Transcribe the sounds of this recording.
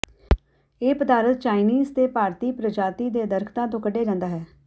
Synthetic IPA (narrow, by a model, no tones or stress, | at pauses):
eːpəd̪aːɾət̪̚t͡ʃaːɪniːzt̪eːpaːɾt̪iːpɾəd͡ʒaːt̪iːd̪eːd̪əɾkʰt̪ãːt̪̬õːkəɖeːd͡ʒãːnd̪aːɦɛː